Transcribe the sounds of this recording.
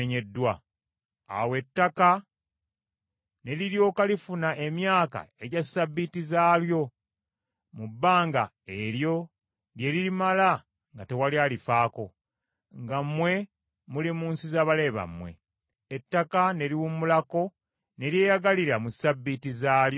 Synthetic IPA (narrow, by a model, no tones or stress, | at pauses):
ɲe̞dːwa | a̰we̞tːaka | ne̞liɾjo̞ːkalifunaʔe̞mjaːka̰e̞ɟasabːitizaːljo̞ | mubːaːŋɡa | eɾjo̞ | lje̞lilimala | ŋɡate̞walialifaːko̞ | ŋɡamːwe̞ | mulimuːnsizaβale̞βa̰mwe̞̰ː | tːakane̞liwumulako̞ | ne̞ɾje̞ːjaɡaliɾamusabːitizaːlj